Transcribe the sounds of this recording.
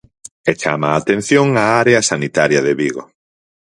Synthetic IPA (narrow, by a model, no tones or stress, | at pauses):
et͡ʃa̰maːt̪ẽn̟θjoŋaaɾeasanit̪aɾjaðeβiɣo